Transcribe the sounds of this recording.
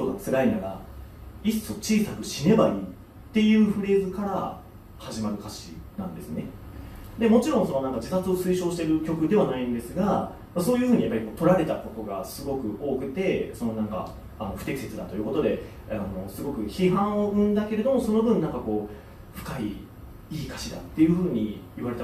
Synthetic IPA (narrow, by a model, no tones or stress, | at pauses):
t̪oɡat͡sɨɾainaɾa | iso̞t͡ɕiːsakɯ̟ɕine̞baiː | t̪ːe̞jɯ̟ːɸɯ̟ɾe̞ːzɨkaɾa | haʑimaɾɯ̟kaɕḭnã̰nd̪e̞sɨne̞ | d̪e̞mo̞t͡ɕiɾõ̞ɰ̃so̞no̞nãŋkad͡ʑit̪at͡sɨo̞sɨːɕo̞ːɕi̥t̪e̞ɾɯ̟kʲo̞kɯ̟d̪e̞βanaĩnd̪e̞sɨɡa | maso̞ːjɯ̟ɸɯ̟ːɲ̟ijapːaɾʲiko̞ːt̪oɾaɾe̞t̪ako̞t̪o̞ɡa̰sɨɡo̞kɯ̟ʔo̞ːkɯ̟t̪e̞so̞no̞nãŋka̰ː | no̞ɸɯ̟t̪ekʲise̞t͡sɨd̪at̪ojɯ̟ko̞t̪o̞d̪e̞ | ano̞sɨɡo̞kɯ̟çiɦãɰ̃o̞ʔɯ̟̃nd̪ake̞ɾe̞d̪o̞mo̞so̞no̞bɯ̟̃nnãŋkako̞ː | ɸɯ̟̥kai | iːkḁɕid̪a̰t̪ːe̞jɯ̟ɸɯ̟ːɲ̟iːβaɾe̞t̪a